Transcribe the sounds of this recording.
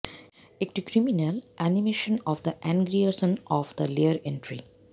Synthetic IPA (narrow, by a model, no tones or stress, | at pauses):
ek̚ʈikɾiminəlʔænimeːʃə̃nɔʋd̪əʔæ̃ŋɡɾiəsə̃nɔːʋd̪əleəɾẽɳʈɾḭ